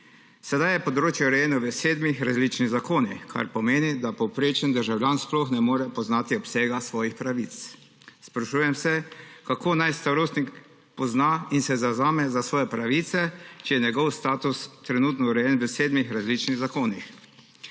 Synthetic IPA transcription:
sɛd̪ajɛpɔd̪ɾoːt͡ʃjɛuɾɛjɛːnɔʋəseːd̪mixɾazliːt͡ʃniɣzakoːnixkʰa̰ɾpɔmeːnid̪apɔwpɾeːt͡ʃənd̪əɾʒawlʲjaːnsplɔxnɛmoːɾɛpɔznaːt̪iɔpseːɡasʋɔːjixpɾaʋit̪s | spɾaʃuːjɛmsɛkakoːnajst̪aɾoːst̪nik | pɔznainsɛzazaːmɛzasʋɔːjɛpɾaʋiːt̪sɛt͡ʃɛjɛɲɛɡɔwst̪aːt̪ust̪ɾɛnuːt̪nɔuɾɛjɛnʋəseːd̪mixɾazliːt͡ʃniɣzakoːnix

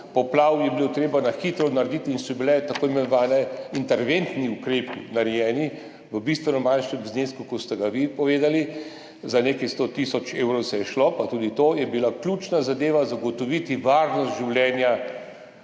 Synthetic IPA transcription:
pɔplawjɛbilot̪ɾeːbanaxit̪ɾɔnaɾɛd̪it̪iːnsɔbilɛt̪akoːimɛnɔʋaːnɛint̪ɛɾʋent̪niukɾeːpḭnaɾɛjɛːni | ʋəbist̪ʋɛnɔmanʃnɛmzneːskukɔt̪st̪ɛɡaʋipɔʋeːd̪ali | zaneːkɛjst̪ot̪isɔt͡ʃeːwɾowsɛjɛʃlopat̪uːd̪it̪ojɛbilaklʲuːt͡ʃnazad̪eːʋazaɡɔt̪ɔʋit̪iʋaːɾnɔst̪ʒiwljɛːnja

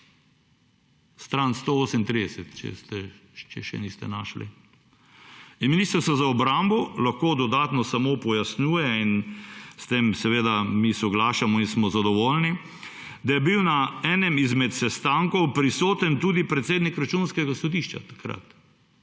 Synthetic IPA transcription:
st̪ɾanst̪ooːsɛmnt̪ɾid̪ɛsɛt̪t͡ʃɛ̰st̪ɛt͡ʃɛʃɛ̰nist̪ɛ̰naʃlḭ | miniːst̪ɾsazaɔbɾambɔlaxkoːd̪ɔd̪aːt̪nɔsamopɔjasnuːjɛinst̪emsɛʋeːd̪amisɔɡlaːʃamɔinsmɔzad̪ɔʋolni | d̪ajɛbiwnaɛːnɛmizmɛt̪sɛst̪aŋkɔwpɾisoːt̪ɛnt̪ud̪ipɾɛt̪seːd̪nikɾat͡ʃunskɛɡasɔd̪iʃt͡ʃa̰t̪ḁkɾa̰t̪

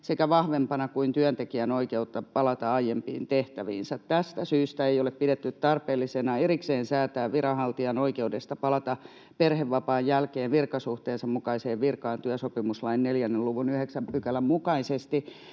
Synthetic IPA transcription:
sekæʋɑhʋempɑnɑkuint̪yœnt̪ekiænoikeut̪ːɑpɑlɑt̪ɑɑijempḭːnt̪eht̪æʋḭːnsæt̪t̪æst̪æsyːst̪æejoleppidet̪ːytt̪ɑrpeːlːisenɑerikseːnsæːt̪æːʋʋirɑhɑlt̪iɑnoikeudest̪ɑpɑlɑt̪ɑ | perheʋʋɑpɑːjjælkeːʋʋirkɑsuht̪eːnsɑmmukɑiseːʋʋirkɑːnt̪yœsopimuslɑinneljænːeluʋunyheksæmpykælæmmukɑisest̪i

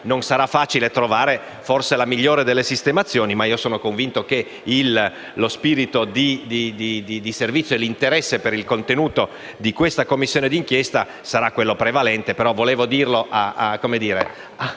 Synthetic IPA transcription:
nonsaɾafːaːt͡ʃilet̪ɾovaːɾe | forselamiʎːoːɾed̪elːesist̪emat̪sːjoːnimaiːosoːnokoɱvint̪ok̟e | ilː | ospiːɾit̪od̪id̪id̪id̪id̪iservit̪sjoelint̪eɾɛsːepeɾilkont̪enuːt̪o | d̪ikwest̪akomːisːjoːned̪iŋkjɛst̪a | saɾakːwelːopɾevalɛnt̪epeɾɔvoleːvod̪iːrloʔakːomed̪iːɾḛ | a

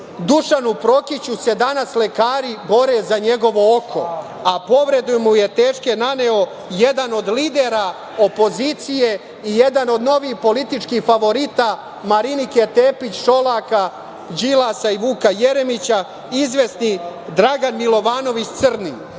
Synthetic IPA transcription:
d̪uʃanupɾo̞kit͡ɕuse̞d̪anasle̞kaːɾibo̞ɾe̞zaɲe̞ɡo̞ʋo̞okʰo̞̰ | apo̞ʋɾe̞d̪umuje̞t̪e̞ːʃkenane̞o̞ | jed̪ano̞d̪liːd̪eɾa | o̞po̞zit̪sije̞ | ijed̪ano̞d̪no̞ʋihpo̞lit̪it͡ʃkixfaʋo̞ɾit̪a | maɾiniket̪e̞ːpit͡ɕʃo̞laka | d͡ʒilˠasaiʋuːkajeɾe̞mit͡ɕa | izʋesnid̪ɾaɡanmilo̞ʋaːno̞ʋit͡ɕt̪sɨr̩ni

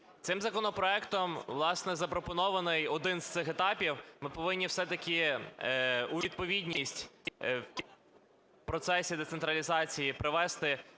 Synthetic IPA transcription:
t̪sɪmzɐkɔnɔpɾɔɛkt̪ɔmʋlˠɑsnɛzɐpɾɔpɔnɔʋɐnɪjɔd̪ɪnzt̪sɪxet̪ɑpʲiwmɪpɔʋɪnʲːiwsɛt̪ɐkʲɪ | ʊʋʲid̪̚pɔʋʲidʲnʲisʲtʲ | pɾɔt̪sɛsʲid̪et̪sent̪ɾɐlʲizɑt͡sʲijipɾɪʋɛst̪ɪ

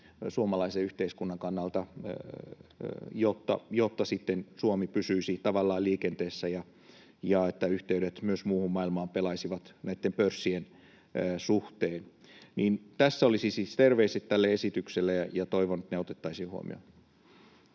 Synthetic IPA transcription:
suomɑlɑiseyht̪eiskunːɑŋkɑnːɑlt̪ɑ | jot̪ːɑ̰jot̪ːɑsit̪ːensuomipysyisit̪ɑʋɑlːɑːliːkent̪eːsːæjɑ | jɑet̪ːæyht̪eyɾet̪myøsmuːhummɑilmɑːmpelɑisiʋɑt̪næit̪ːempørsːien | suht̪eːnniːnt̪æsːæolisisist̪erʋeiset̪t̪ælːeesit̪ykselːejɑjɑt̪oiʋonet̪neot̪et̪ːɑisiːhuo̰mḭo̰

